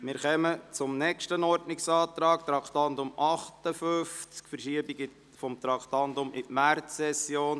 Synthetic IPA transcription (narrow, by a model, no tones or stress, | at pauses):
mɪɾχɛmət͡sʊmnɛkʃtənɔɾdnɪksɑːt̪ɾɑːk̚t̪ɾɑktɑntʊmʔɑχtəfʏft͡skfəɾʃiəbiɡɪ | fɔmt̪ɾɑktɑntʊmʔɪtmært͡sːɛsjoːn